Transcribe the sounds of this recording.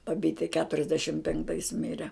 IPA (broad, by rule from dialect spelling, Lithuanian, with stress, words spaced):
bɐˈbʲiːtʲɛ kʲɛtʊrʲɛzʲˈdʲæːʃʲɪm pʲɛŋkˈtɐɪs ˈmʲɪrʲɛ